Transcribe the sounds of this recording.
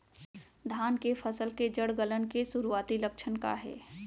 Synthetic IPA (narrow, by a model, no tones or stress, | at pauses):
d̪ʱaːnkepʰəsəlked͡ʒəɽɡələnkesuɾuaːt̪ilək̚t͡ʃʰənka̰ɦɛ̰ː